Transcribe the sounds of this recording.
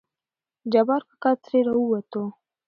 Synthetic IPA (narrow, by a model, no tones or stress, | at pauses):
d͡ʒabɑɾkḁkɑt̪ɾeɾauwat̪o